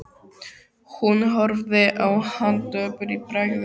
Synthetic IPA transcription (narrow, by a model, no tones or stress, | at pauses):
hunɦɔɾvðɪʔawhant̪œːpʏɾipɾaɣð